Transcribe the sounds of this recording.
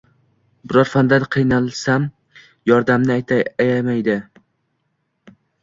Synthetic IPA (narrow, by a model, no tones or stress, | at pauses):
bɪɾɒɾfand̪ad̪qʰɨjnalˠsam | jɒɾd̪amnɪajt̪ʰjamajd̪ɪ